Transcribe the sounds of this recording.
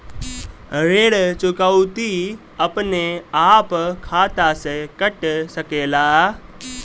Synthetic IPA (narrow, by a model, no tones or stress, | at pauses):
ɾeːɽt͡ʃʊkawt̪i | əpneaːpkʰaːt̪asekəʈsɐkeːlaː